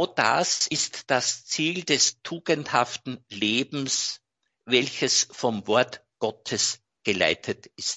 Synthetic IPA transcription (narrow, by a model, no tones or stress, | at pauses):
ʊd̥a̰sɪstd̥ast͡siːldɛstʰuːɡənthaftn̩leːbm̩s | vɛlçəsfɔmvɔɐtɡ̥ɔtʰəs | ɡ̥əla̰ɪtʰətɪst̚